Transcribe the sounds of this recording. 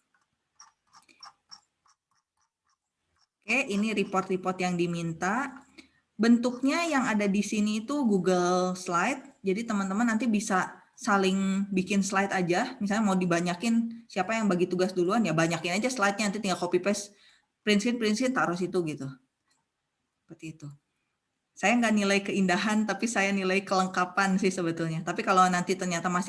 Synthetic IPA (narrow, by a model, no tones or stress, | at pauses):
keʔiniɾipɔrt̪ripɔrt̪jaŋdimint̪a | bənt̪uk̚ɲajaŋadadisiniːt̪uɡuɡəlslajt̪̚d͡ʒadit̪əmənt̪əmanːant̪ibisa | salɪŋbikɪnslajt̪ad͡ʒamisalɲamaudibaɲakɪnsiapajaŋbaɡit̪uɡasduluanjabaɲakɪnad͡ʒaslajt̪̚ɲanant̪it̪iŋɡakopipɛs | pɾɪnsɪt̪̚pɾɪnsɪt̪t̪aɾɔsit̪uɡit̪u | səpərt̪iːt̪u | sajaŋɡaʔnilaikəindaɦant̪apisajanilajkələŋkapansɪhsəbət̪ʊlɲat̪apikalonant̪it̪ərɲat̪amasɪ